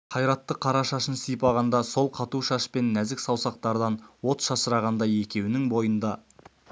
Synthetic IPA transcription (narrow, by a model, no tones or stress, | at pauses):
qʰɑjɾɑt̪ːəqʰɑɾɑʃɑʃənsijpɑʁɑnd̪ɑso̞lˠqʰɑt̪uʃɑʃpe̞nːæzɪksɑwsɑq̚t̪ɑɾd̪ɑnwo̞t̪ʃɑsəɾɑʁɑnd̪ɑje̞kʲe̞wnɪŋbo̞jənd̪ɑ